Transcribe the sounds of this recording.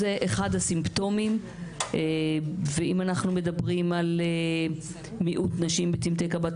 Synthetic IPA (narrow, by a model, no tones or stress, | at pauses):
zeʔeχadhasimpt̪o̞mim | eveimanaχnume̞d̪abʁimale | miʔut̪naʃimbetimt̪ekabat